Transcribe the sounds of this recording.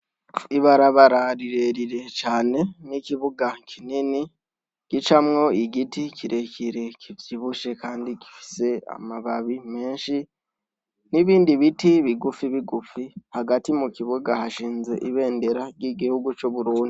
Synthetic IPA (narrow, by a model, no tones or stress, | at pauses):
iβaɾaβaɾaɾiɾeɾiɾe̞t͡ʃaːne̞nikiβuɡakʰinini | ɡ̥it͡ʃamŋo̞iɡiticiɾe̞ciɾe̞kivjiβuʃe̞kaːndiɡi̥fi̥se̞a̰maβaβime̞ːnʃi | niβiːndiβitiβiɡufiβiɡufihaɡatimukiβuɡahaʃiːnze̞ʔiβe̞ːnde̞ɾaɟiɡihuɡut͡ʃoβuɾuːndi